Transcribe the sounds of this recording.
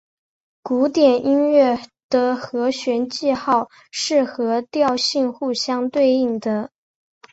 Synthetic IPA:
ku˧˥t̪jɛ˨˩nʔi˥nɥɛ˥˩ | d̪̥ə˧xɤ˧˥ɕɥɛ˧˥nt͡ɕi˥˧xɑ˥˩ʊ | ʂɻ̩˥˩xɤ˧˥t̪jɑ˥˧ʊɕi˥˧nxu˥˧ɕjɑ˥ŋt̪we˥˧ɪi˥˩ŋd̪ə˩˦

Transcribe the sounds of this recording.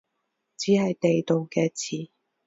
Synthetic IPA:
t͡siː˨˥hɐ˨jt̪e˨jt̪o˨wkɛː˧t͡sʰiː˨˩

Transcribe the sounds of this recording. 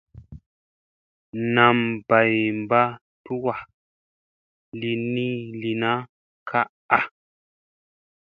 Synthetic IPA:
na˨mba˨jm˨ba˦ | tu˦wa˨ | li˨ni˦li˨na˦ | kʰa˦ʔ | a˦

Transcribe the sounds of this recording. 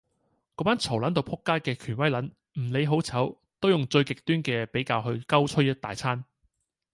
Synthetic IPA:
kɔː˧˥paː˥nt͡sʰɐ˨˩wlɐ˨˥nt̪̬o˨˧wpʰʊ˥kːaː˥jkɛː˧kʰyː˨˩nwɐ˥jlɐ˨˥n | m̩˨˩le˨˧jɦo˨˥wt͡sʰɐ˨˥w | t̪o˥wjʊ˨ŋt͡ʃɵ˧ɥkɪ˨k̚t̪yː˥nkɛː˧pe˨˥jkaː˧wɦɵ˧ɥkɐ˥wt͡ʃʰɵ˥jɐ˥t̚t̪a̰ː˨jt͡sʰaː˥n

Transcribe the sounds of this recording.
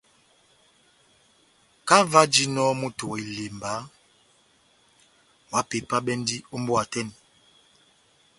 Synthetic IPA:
ka˦va˦d͡ʒi˦nɔ˦mu˦to˨i˨le˨mba˨˦ | wa˨˦pe˨pa˦ɓɛ˦n˦di˦o˦mbwa˨tɛ˦˨n

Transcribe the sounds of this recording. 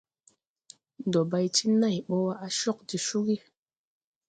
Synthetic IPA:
do˨ba˧jti˦na˦˨jɓɔ˦wa˦ʔa˦ʃɔ˦k̚di˨ʃu˦ki˦

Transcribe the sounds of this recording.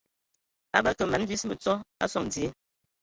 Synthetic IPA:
a˦ba˦˨kə˨ma˨n˦vi˦smə˨t͡sɔ˦a̰˦sɔ˦˨ŋd͡zi˨e˨

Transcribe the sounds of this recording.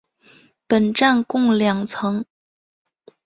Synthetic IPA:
pə˨˩nʈ͡ʂa˥˧nkʊ˥˩ŋljɑ˨˩ŋt͡sʰɤ˧˥ŋ

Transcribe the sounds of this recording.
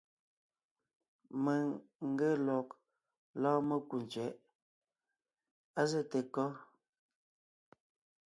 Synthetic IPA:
mə˨ŋŋ̩˦ɡə˦lɔ˨k̚ | lɔː˦mə˦ku˨n˨t͡ʃɛ˨˦ʔ | a˦zə˦te˨kɔ˦

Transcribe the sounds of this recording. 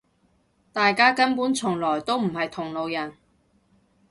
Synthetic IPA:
t̪aː˨jkaː˥kɐ˥npuː˨˥nt͡sʰʊ˨˩ŋlɔː˨˩jt̪o˥wm̩˨˩hɐ˨jt̪ʰʊ˨˩ŋlo˨˧wjɐ˨˩n

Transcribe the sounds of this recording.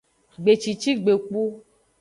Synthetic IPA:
ɡ͡be˨t͡ʃi˨t͡ʃi˦ɡ͡be˨k͡pu˦

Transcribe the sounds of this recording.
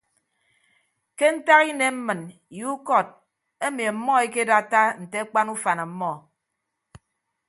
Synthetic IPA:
ke˦n̩˦ta˦ɣi˦ne˨m̩˦mɨ˨n | ju˨˦kɔ˦˨t̚ | e˦mi˨m̩˦mɔ˦e˦ke˦da˦ta˦n̩˨te˦k͡pa˦nu˦fa˨na˨m̩˦mɔ˦˨

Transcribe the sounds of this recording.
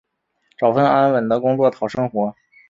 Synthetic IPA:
ʈ͡ʂɑ˨˩ʊfə˥na˥nwə˨˩nd̪ə˦˧kʊ˥ŋt͡swɔ˥˩t̪ʰɑ˨˩ʊʂɤ˥ŋxwɔ˧˥

